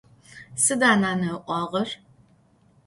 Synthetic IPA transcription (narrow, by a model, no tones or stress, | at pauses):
sɨdaːnaːnɐʔʷɑːʁɐr